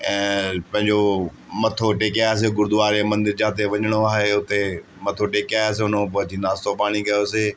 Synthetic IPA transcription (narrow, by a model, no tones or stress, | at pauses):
ɛ̃ːpɐ̃ɦɪ̃ɲd͡ʑo | mɐt̪ʰoʈeːkiaːjes̬eɡʊɾd̪ʊʋaːɾemɐ̃nd̪ɪɾd͡ʑãːt̪eʋɐɲəɽ̃oaːɦeʊt̪e | mɐt̪ʰoʈeːkaːjas̬eʊnopʊɦd͡ʑinaːst̪opaːɽ̃iɡɐjose